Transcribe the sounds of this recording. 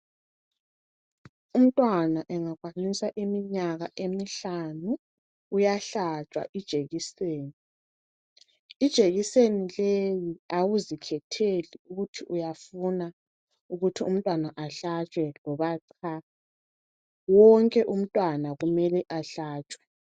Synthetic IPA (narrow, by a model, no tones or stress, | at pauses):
um̩tʼwanaʔɛŋaɣwanisaʔimiɲaɣaʔemiɬanuː | jaɬat͡ʃʼwa̰ʔid̥ʒ̥ʱeɣiseːni | d̥ʒ̥ʱeɣisenilejiawuzikʰɛtʰeliuɣutʰiʔujafuna | uɣutʰium̩tʼwanaʔaɬat͡ʃʼwɛlɔβaǀʰa | wɔŋkʼɛʔum̩tʼwanaɣumɛlɛʔaɬaːt͡ʃʼwɛ̥